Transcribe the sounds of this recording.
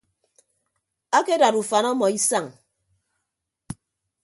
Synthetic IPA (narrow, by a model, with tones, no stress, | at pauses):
a˦ke˦da˨ɾu˨fa˨nɔ˦mɔ˨i˦sa˦˨ŋ